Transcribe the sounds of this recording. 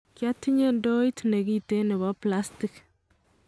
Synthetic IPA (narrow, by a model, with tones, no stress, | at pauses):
kja˦tːi˦ɲe˦ndo˦i˦tne˨ɡi˦te˦nɪ˨bɔ˦pla˦sti˨k